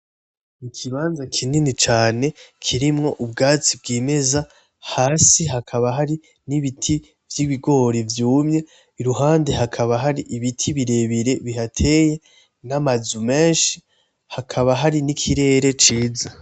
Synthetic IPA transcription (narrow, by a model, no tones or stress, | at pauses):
nikʰiβaːnzakʰininit͡ʃaːne̞kʰiɾimŋo̞ʔubɡaːt͡sib̚ɡiːme̞za | haːsiɦakʰaβaɦaɾi | niβitʰi | vjiβiɡo̞ɾivjuːmɲe̞ | iɾuɦaːnde̞ɦakʰaβaɦaɾiʔiβitʰiβiɾe̞βiɾe̞βihatʰe̞ːje̞ | namazume̞ːnʃi̥ | hakʰaβaɦaɾinikʰiɾe̞ːɾe̞t͡ʃiːza